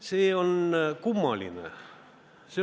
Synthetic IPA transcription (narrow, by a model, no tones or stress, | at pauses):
seːonkumːɑlḭnɑ̰ | se